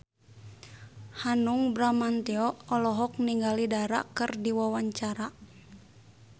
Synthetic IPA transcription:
hanuŋbɾamant̪ɛɔɔlɔɦɔk̚niŋɡalidaɾa̰kɨrdiwawaɲt͡ʃaɾa

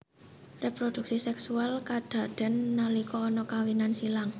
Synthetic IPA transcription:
repɾod̥ṳk̚sisɛksualkad̪̥ä̤ɖ̪̥ɛ̤nːalikɔːnɔkawinansilaŋ

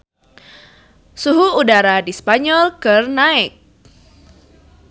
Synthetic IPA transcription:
suɦuːdaɾadispaɲɔlkɨrnaɪk̚

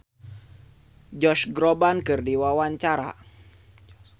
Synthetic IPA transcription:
d͡ʒɔʃɡɾobankɨrdiwawaɲt͡ʃaɾa̰

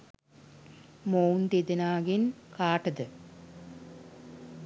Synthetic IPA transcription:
moːnd̪id̪inaːɡinkaːʈːɐd̪ɨ

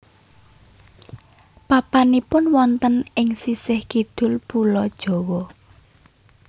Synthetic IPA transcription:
papanipʊnwɔnt̪ənɪŋsisɪhɡ̥id̪̥ʊ̤lpulɔd̥ʒ̥ɔ̤wɔ

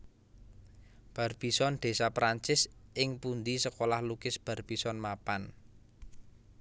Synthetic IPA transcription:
b̥ä̤rb̥isɔnd̪̥e̤sapɾaɲt͡ʃɪsʔɪŋpund̪isəkolahlukɪsb̥a̤rb̥isɔnmapan

